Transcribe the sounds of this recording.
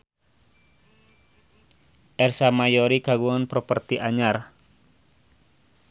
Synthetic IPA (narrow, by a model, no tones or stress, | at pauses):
ʔɛrsamajɔɾikaɡuɔnpɾɔpərt̪iʔaɲar